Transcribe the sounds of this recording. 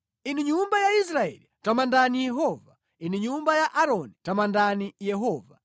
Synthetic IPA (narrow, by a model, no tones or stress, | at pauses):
iniɲumbajais̬ɾaɛ̰litamandanijɛɦɔva | iniɲumbajaʔaɾɔnitamandanijɛɦɔːva